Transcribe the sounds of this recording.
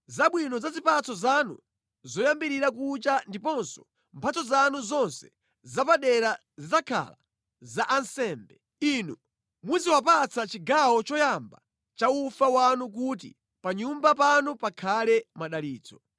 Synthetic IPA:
zaɓwinɔzazipat͡sʰɔzanṵ | zɔjambiɾiɾak̬ut͡ʃandipɔnsɔ̥ | mpʰat͡sɔzanuzɔnsɛ̥ | zapaɗɛɾa | zizakʰa̰la̰ | zaʔansɛːmbɛ | inu | muziwap̬at͡sʰat͡ʃiɡawɔt͡ʃɔjamba | t͡ʃaufawanuk̬ut̬ḭ | paɲumbapanupakʰalɛmaɗaliːt͡sɔ

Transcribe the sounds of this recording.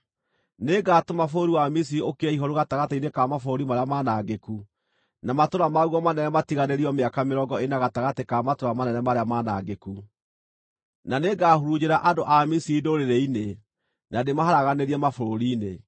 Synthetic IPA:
neɡaːtomafoɾoɾiwamis̬iɾiokeɛiɦɔɾuɣataɣateinekamafoɾoɾimaɾeamanaɡeku | namatoɾamaɣuɔmanɛnɛmatiɣaneɾiɔmeakameɾɔɡɔenaɣataɣatekamatoɾamanɛnɛmaɾeamanaɡeku | naneɡaːhuɾud͡ʑeɾaʔadoʔamisiidoːɾeɾeine | nademahaɾaɣaneɾiɛmafoɾoɾiːne

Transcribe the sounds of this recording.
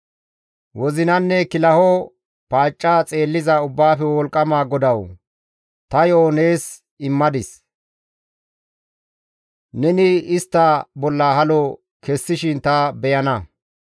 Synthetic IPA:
wɔzɪnɐnːɛkɪlɐhɔ | paːt͡ʃʼːat͡sʼe̞ːlːɪzɐʊbːaːfɛwɔlkʼːɐmaːɡɔd̪ɐw | t̪ɐjoːneːs | ɪmːɐd̪ɪs | nɛnɪɪst̪ːɐbɔlːɐhɐlɔ | kɛsːɪʃɪnt̪ɐbɛjɐnɐ

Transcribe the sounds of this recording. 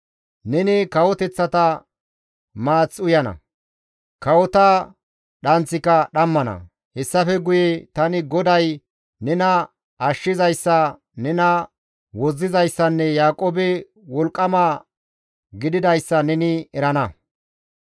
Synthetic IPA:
nɛnɪkɐwɔt̪ɛt͡sːɐt̪ɐ | maːt͡sːʊjɐnɐ̰ | kɐwɔt̪ɐ | ɗɐnt͡sːɪkːɐɗɐmːɐnɐ̰ | hɛsːɐfɛɡʊjɛt̪ɐnɪɡɔd̪ɐj | nɛnɐ | ɐʃːɪzɐjsːɐ | nɛnɐ | wɔzːɪzɐjsːɐnːɛjaːkʼoːbɛ | wɔlkʼːɐmaː | ɡɪd̪ɪd̪ɐjsːɐnɛnɪɛɾɐnɐ

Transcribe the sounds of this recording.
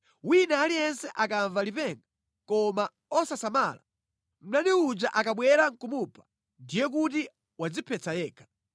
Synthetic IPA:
winaːlijɛnsɛʔakaɱvalipɛŋɡa | kɔma | ɔsasamaːla̰ | m̩naniud͡ʒaʔakaɓwɛɾaŋkumupʰḁ | ndijɛk̬ut̬i | wad͡zipʰɛt͡sajɛːkʰḁ

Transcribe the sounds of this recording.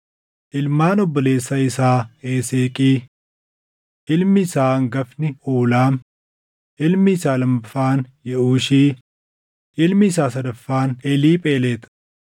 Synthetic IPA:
ʔɪlmaːnɔbːɔle̞ːsːɐɪsaːeːseːkʼiː | ʔɪlmɪsaːŋɡɐfnɪoːlaːm | ʔɪlmɪːsaːlɐmːɐfːaːnjɛʔuːʃiː | ʔɪlmɪɪsaːsɐd̪ɐfːaːnɛliːpʼeːleːt̪ɐ̥

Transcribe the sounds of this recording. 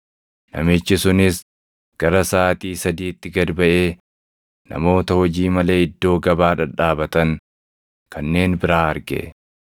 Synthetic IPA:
nɐ̰mɪt͡ʃːɪsʊnɪs | ɡ̥ɐɾɐsaːt̪iːsɐd̪iːt̪ːɪɡɐd̪bɐʔe̞ː | nɐ̰mo̞ːt̪ɐhɔd͡ʒiːmɐle̞ːɪd̪ːo̞ːɡɐbaːᶑɐᶑaːbɐt̪ɐŋ | kɐnːe̞ːnbɪɾaːɐɾɡḛ

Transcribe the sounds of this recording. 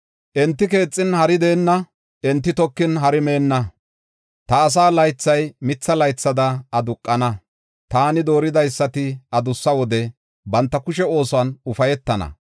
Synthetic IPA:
ʔɛnt̪ːɪke̞ːt͡sʼːɪnhɐɾɪd̪e̞ːnːɐ | ʔɛnt̪ːɪt̪ɔkːɪnɦɐɾɪme̞ːnːɐ | t̪ɐːs̬aːlɐjt͡sːɐjmɪt͡sːɐlɐjt͡sːɐd̪ɐɐd̪ʊkʼːɐnɐ | t̪aːnɪd̪o̞ːɾɪd̪ɐjsːɐt̪ɪʔɐd̪ʊsːɐwɔd̪ɛ | bɐnt̪ːɐkʊʃɛo̞ːsɔɐnʊfɐjɛt̪ːɐnɐ̰

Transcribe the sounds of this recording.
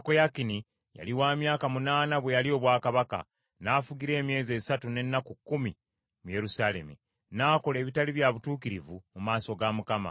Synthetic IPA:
kojakini | ja̰liwaːmjaːkamunaːnaβwe̞jalio̞ːβwaːkaβaka̰ | naːfuɡiɾe̞ːmje̞ːze̞ːsatune̞nːakukːumi | muje̞ɾusaːle̞̰mu | naːko̞le̞ːβitaliβjaβutuːkiɾivumumaːso̞ɡamukama̰

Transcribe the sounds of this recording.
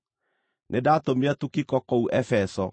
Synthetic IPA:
nʔedaːtomeatukikɔkɔuʔɛfɛsɔ

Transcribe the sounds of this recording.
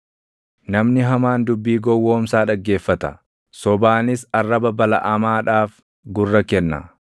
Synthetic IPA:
nɐmnɪɦɐmaːnd̪ʊbːiːɡɔwːoːmsaːᶑɐɡːe̞ːfːɐt̪ɐ̰ | sɔbaːnɪsɐrːɐbɐbɐlɐʔɐmaːᶑaːf | ɡʊrːɐkɛnːɐ̰

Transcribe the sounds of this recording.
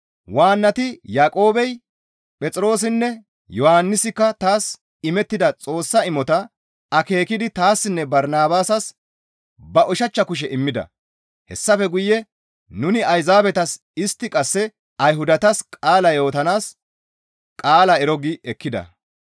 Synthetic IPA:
waːnːɐt̪ɪjaːkʼo̞ːbɛj | pʼɛt͡sʼɾo̞ːs̬ɪnːɛ | jɔhanːɪsɪkːɐt̪aːs | ɪmɛt̪ːɪd̪ɐt͡sʼo̞ːsːɐɪmɔt̪ɐ | ɐke̞ːkɪd̪ɪt̪aːsːɪnːɛbɐɾnaːbaːsɐs | bɐʔʊʃɐt͡ʃːɐkʊʃ̬ɛʔɪmːɪd̪ɐ̰ | hɛ̰sːɐfɛɡʊjːɛ | nʊnɪɐjzaːbɛt̪ɐs | ɪst̪ːɪkʼɐsːɛ | ɐjɦʊd̪ɐt̪ɐskʼaːlɐjo̞ːt̪ɐnaːs | kʼaːlɐɛɾɔɡɪʔɛkːɪd̪ɐ̰

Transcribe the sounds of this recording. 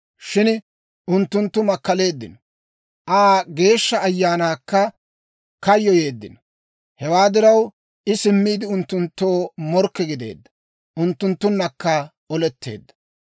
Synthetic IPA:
ʃɪn | ʊnt̪ːʊnt̪ːʊmɐkːɐle̞ːd̪ːɪnɔ | ʔaːɡe̞ːʃːɐːjːaːnaːkːɐ | kɐjːɔje̞ːd̪ːɪnɔ | hɛwaːd̪ɪɾɐw | ʔɪsɪmːiːd̪ɪʊnt̪ːʊnt̪ːo̞ːmɔɾkːɛɡɪd̪e̞̰ːd̪ːɐ̥ | ʔʊnt̪ːʊnt̪ːʊnːɐkːɐ | ɔlɛt̪ːe̞̰ːd̪ːɐ̥

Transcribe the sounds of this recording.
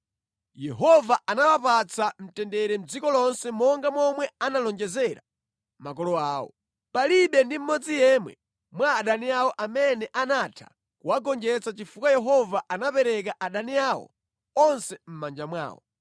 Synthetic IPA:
jɛɦɔvaanawapat͡sam̩tɛndɛɾɛm̩d͡zikɔlɔnsɛmɔŋɡamwɔmwɛanalɔnd͡ʒɛzɛɾa | mak̬ɔlɔaːwɔ̰ | paliɓɛndim̩mɔd͡zijɛmwɛ̰ | mwaːɗaniawɔʔamɛnɛʔanatʰa̰ | kuwaɡɔnd͡ʒɛt͡sat͡ʃifukajɛɦɔvaʔanapɛɾɛk̬aʔaɗaniawɔ̰ | ɔnsɛm̩mand͡ʒamwa̰ːwɔ̰

